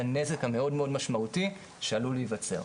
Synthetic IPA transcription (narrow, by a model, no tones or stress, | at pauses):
ane̞ze̞khameo̞dmeo̞dmaʃmauti | ʃealulijvat͡se̞̰ʁ